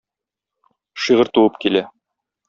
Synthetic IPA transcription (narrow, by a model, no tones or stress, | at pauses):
ʃiʁɤ̆ɾt̪uwɤpkilæ